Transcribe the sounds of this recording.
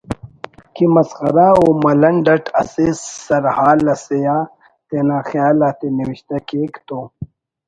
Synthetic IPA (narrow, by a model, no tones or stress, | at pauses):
kimɐsxɐɾaomɐlɐɳɖɐʈʰɐsisːɐɾhaːlːɐsejaː | t̪enaːxjaːlaːt̪eniwiɕt̪akeːkt̪oː